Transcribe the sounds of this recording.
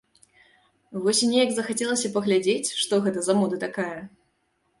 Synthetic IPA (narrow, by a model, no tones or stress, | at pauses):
vɔsʲinʲejɐɡzɐxat͡sʲɛlˠɐsʲɐpɐɣlʲad͡zʲet͡sʲʂt̪ɔɣɛt̪ɐzamɔd̪ɐt̪akajɐ